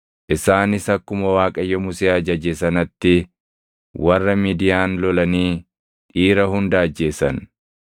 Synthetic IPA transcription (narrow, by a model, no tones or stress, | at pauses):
ʔɪsaːnɪsɐkːʊmɐwaːkʼɐjːɔmʊseːɐd͡ʒɐd͡ʒesɐnɐt̪ːɪ | wɐrːɐmiːd̪ɪjaːnlɔlɐniː | ᶑiːɾɐhʊnd̪ɐɐd͡ʒːe̞ːsɐn